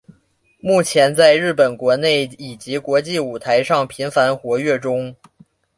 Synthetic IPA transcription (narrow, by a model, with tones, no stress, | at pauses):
mu˥˩t͡ɕʰjɛ˧˥nt͡sa˥˧ɪɻɻ̩˥˩pə˨˩nkwɔ˧˥ne˥˩ɪi˨˩t͡ɕi˧˥kwɔ˧˥t͡ɕi˥˩u˨˩t̪ʰa˧˥ɪʂɑ˥˩ŋpʰi˧˥nfa˧˥nxwɔ˧˥ɥɛ˥˩ʈ͡ʂʊ˥ŋ